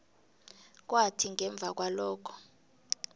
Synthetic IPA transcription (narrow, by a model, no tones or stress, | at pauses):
k̬watʰiŋɛɱb̪vʱak̬walɔːkʰɔ̥